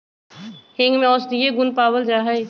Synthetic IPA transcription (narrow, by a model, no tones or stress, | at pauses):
hɪ̃ŋɡmẽɔːsd̪ieɡʊnpaːbəld͡ʒaːɦəj